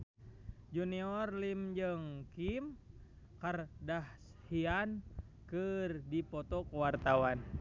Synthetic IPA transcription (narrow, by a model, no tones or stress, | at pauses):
d͡ʒuniɔrlimd͡ʒɨŋkim | kardahshian | kɨrdipɔt̪ɔkwart̪awan